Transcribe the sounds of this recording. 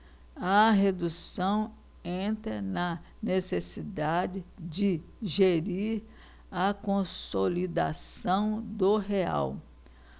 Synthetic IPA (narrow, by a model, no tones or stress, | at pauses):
ɐɦed̪usɐ̃w̃ | ẽt̪ɾɐnɐ | nesesid̪ad͡ʒɪd͡ʒɪ | ʒeɾiɾ | ɐkõsolid̪a̰sɐ̃w̃d̪oɦea̰w